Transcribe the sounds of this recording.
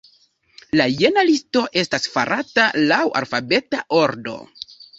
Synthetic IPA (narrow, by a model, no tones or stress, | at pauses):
laje̞nalisto̞ʔe̞stasfa̰ɾʔatalawa̰lfabe̞taʔo̞ɾdo̞̰